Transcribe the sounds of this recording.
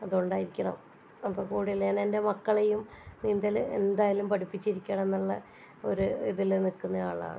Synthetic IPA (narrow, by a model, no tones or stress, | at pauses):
ɐðoɳɖaːjiɾikʲːɐɳɐ̰m | ɐpːoːkuːɽiɐlɲaːnende̞mɐkːɐɭejumnind̪ɐle̞̰nd̪aːjalumpɐʈipːit͡ɕːiɾikʲːɐɳenːuɭːɐ | o̞̰ɾuiðilnikːunːɐa̰ːɭa̰ːn